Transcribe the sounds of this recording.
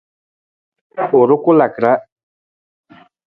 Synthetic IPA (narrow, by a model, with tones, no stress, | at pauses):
o˨ɾʊ˦kʊ˦la˨kɾa˦